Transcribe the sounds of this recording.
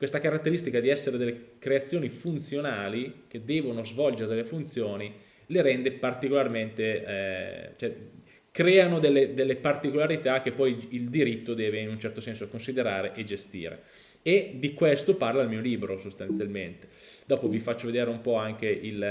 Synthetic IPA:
kwest̪akaɾat̪ːeɾist̪ikad̪iɛsːeɾed̪elːekɾeat̪sːjoːnifunt̪sjonaːlik̟ed̪ːɛːvonozvɔld͡ʒeɾed̪elːefunt̪sjoːni | leɾɛnd̪epart̪ikolarment̪e | t͡ʃoɛ | kɾɛːanod̪elːed̪elːepart̪ikolaɾit̪ak̟ːepːɔjild̪iɾit̪ːod̪ɛːveinunt͡ʃɛrt̪osɛnsoakonsid̪eɾaːɾeʔed͡ʒest̪ḭːɾḛ | ed̪ikwest̪oparlailmiːoliːbɾosost̪ant̪sjalment̪e̥ | d̪̥ɔːpovifat͡ʃːoved̪eːɾeumpɔaŋk̟eʔil

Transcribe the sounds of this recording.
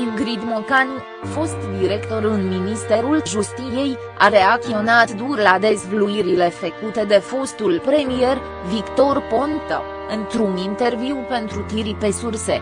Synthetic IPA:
imɡɾid̪mokan | fo̞st̪d̪iɾe̞kt̪o̞ɾɨnminist̪e̞ɾulʒust̪ije̞j | a̰ɾe̞akt̪io̞nat̪d̪urlad̪e̞zvluiɾile̞fekut̪e̞d̪e̞fo̞st̪ulpɾe̞mije̞r | vikt̪o̞rpo̞nt̪ə̰ | ɨnt̪ɾunint̪e̞rviwpe̞nt̪ɾut̪iɾipe̞sursḛ

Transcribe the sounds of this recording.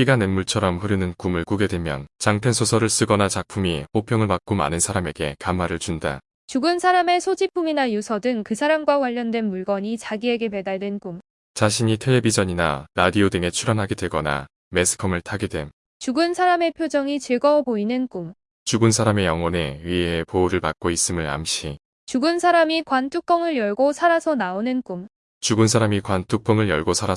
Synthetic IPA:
k͈iɡanenmuɭt͡ɕʰʌɾʌmɸɯɾɯnɯnkumɯɭkuɡe̞dwemjʌ̰nt͡ɕaŋpʰensʰosʰʌɾɯɭs͈ɯɡʌnat͡ɕak̚pʰumiɸopʰjʌŋɯɭmak̚k͈oma̰nɯnsʰaɾame̞ɡe̞kamaɾɯɭt͡ɕunda̰ | t͡ɕuɡɯnsʰaɾame̞sʰod͡ʑipʰuminajusʰʌdɯŋkɯsʰaɾamɡwakwaʎːʌndwe̞nmuɭɡʌɲit͡ɕaɡie̞ɡe̞me̞daɭdwe̞nkum | t͡ɕaɕʰiɲitʰeebid͡ʑʌɲina̰ɾadiodɯŋe̞t͡ɕʰuɾanɦaɡedwe̞ɡʌna̰ | me̞sʰɯ̥kʰʌmɯɭtʰaɡidwe̞m | t͡ɕuɡunsʰaɾame̞pʰjod͡ʑʌŋit͡ɕiɭɡʌboinɯnk͈um | t͡ɕuɡunsʰaɾame̞jʌŋwʌne̞ɥieepouɾɯɭpak̚k͈ois͈ɯmɯɭa̰mɕ͈ʰi | t͡ɕuɡunsʰaɾamikwantʰuk̚k͈ʌŋɯɭjʌɭɡosʰaɾasʰʌnaonɯnk͈um | t͡ɕuɡɯnsʰaɾamikwantʰuk̚p͈ʌŋɯɭjʌ̰ɭɡosʰaɾa

